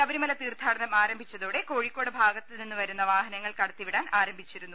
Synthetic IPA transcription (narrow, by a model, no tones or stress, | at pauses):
sɐbɐɾimɐlɐt̪iːrd̪ʱaːɽɐnɐmaːɾɐmbʱit͡ɕːɐðoːɽe̞ko̞ːɻikkːo̞ːɽɐbʱaːɡɐt̪ːilninːuʋɐɾunːɐʋaːɦɐnɐŋːɐɭkɐɽɐt̪ːiʋiɽaːnʔaːɾɐmbʱit͡ɕːiɾunːu